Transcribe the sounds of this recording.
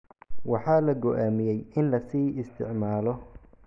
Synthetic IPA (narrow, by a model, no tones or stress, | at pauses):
wɑħɑːlɐɡɔʔaːmɪjɛjɪnlɐsiːɪst̪ʰɪ̰ʕmaːlɔ